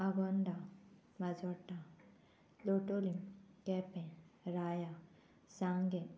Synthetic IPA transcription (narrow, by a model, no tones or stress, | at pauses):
aɡɔnɖa | mad͡ʒɔʈːa | loʈolimkɛpɛ̃ɾaːja | saŋɡe